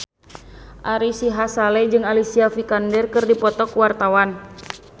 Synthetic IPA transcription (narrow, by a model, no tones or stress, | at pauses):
ʔaɾisiɦasalɛd͡ʒɨŋalisiafikandɛrkɨrdipɔt̪ɔkuwart̪awan